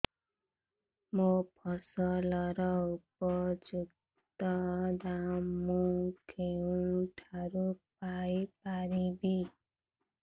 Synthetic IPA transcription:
mopʰɔsʌlʌɾʌupɔd͡ʒuk | t̪t̪ɔdamũkʰeũʈʰaɾup̚ajpaɾibi

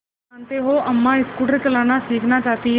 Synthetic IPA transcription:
ant̪eɦoʔɐmːãɪskuʈəɾkelaːnasiːkʰnat͡ʃaːt̪i

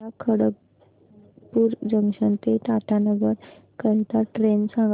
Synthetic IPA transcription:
akʰəɽək̚ | puːɾd͡ʑəŋʂənt̪eʈ̪aʈʰanəɡəɾ | kəɾt̪aʈɾensãŋɡ

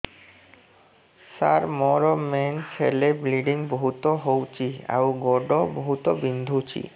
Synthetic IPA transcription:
saɾmɔɾoment͡ɕʰelebɾiɖiŋboɦut̪oɦowt͡ɕia̰wɡɔɖoboɦut̪obind̪ʱut͡ɕʰḭ

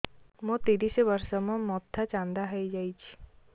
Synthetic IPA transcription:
mɔ̃t̪iɾiseʋəɾʃɔmãmɔt̪ʰːat͡ʃãnd̪aɦəjd͡ʒajt͡ʃʰi̥

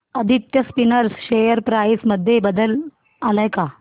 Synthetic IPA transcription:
əd̪ʱit̪jəspinəɾsɕejəɾpɾaisməd̪ʱːjebəd̪əl | alajka

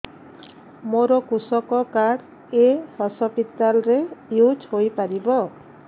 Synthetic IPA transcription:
moɾɔkusɔkɔkaɽ | ehɔsɔpit̪ːalɾejud͡ʒɦojpaɾibɔ

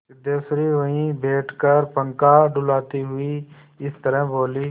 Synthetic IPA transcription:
d̪eːsɾiɦʊĩbʱeːʈʰkəɾpə̃ŋkaːɖʊlaːt̪iɦʊi | ɪst̪əɾə̃boːliː

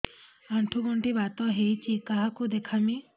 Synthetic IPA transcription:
aɳʈʰuɡɔɳʈibat̪ɔɦejt͡ʃʰikaɦakud̪ekʰami

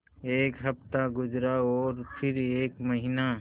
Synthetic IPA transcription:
eːkɦɐpt̪aɡʊd͡ʒɾaɔːɾpʰɪɾeːkməɦina

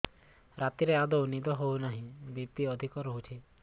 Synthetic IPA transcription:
ɾat̪iɾead̪ɔunid̪ɔɦownaɦĩbipt̪iɔd̪ʱikɔɾɔɦut͡ʃʰe

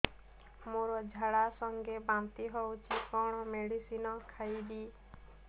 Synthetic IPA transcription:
moɾɔd͡ʒʱaɽasɔŋɡebant̪iɦɔwt͡ʃʰikɔɽ̃ɔmeɽisinɔkʰajbi

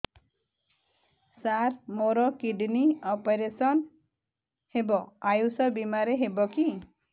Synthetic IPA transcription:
saɾmoɾɔkiɖniɔpeɾesɔn | hebɔ̃ajusɔbimaɾeɦebɔki

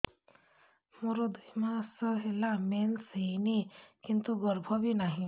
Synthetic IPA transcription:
moɾod̪ʱəjmãsəɦelamensejnikint̪uɡɔɾbʱɔbʱinaɦĩ

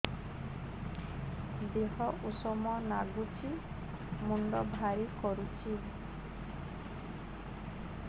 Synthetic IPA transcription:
d̪eɦɔʔusɔmɔnaɡut͡ʃʰi | muɳɖɔbʱaɾikɔɾut͡ʃʰi

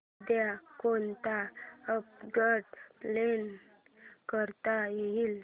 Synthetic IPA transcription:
d̪jakont̪aəp̚ɡəʈplen | kəɾt̪ajeɦiːl

